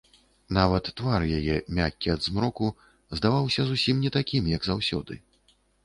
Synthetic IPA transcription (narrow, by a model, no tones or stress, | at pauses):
navɐt̪ːvarjajɛmʲakʲːiɐd̪zmɾɔku | zd̪avawsʲɐzusʲimnʲɛt̪akʲimjɐɡzawsʲɔ̰d̪ɨ̰